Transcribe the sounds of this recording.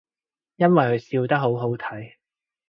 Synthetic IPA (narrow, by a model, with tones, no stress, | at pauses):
jɐ˥nwɐ˨jkɵ˨˧ɥsiː˧wt̪ɐ˥k̚ɦo˨˥wɦo˨˥wt̪ʰɐ˨˥j